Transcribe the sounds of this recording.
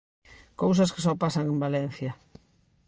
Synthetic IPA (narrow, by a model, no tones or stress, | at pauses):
kows̬ɐske̥sɔpasɐŋẽmbalɛn̟θjɐ